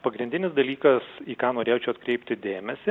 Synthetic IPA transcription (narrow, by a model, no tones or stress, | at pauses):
pɐɡɾʲɪnʲd̪ʲɪnʲɪsd̪ɐlʲiːkɐsiːkɑːnoːɾʲeːjoːt͡ʃʲɛʊɐt̪kɾʲɛɪpʲt̪ʲɪd̪ʲeːmʲɛsʲɪ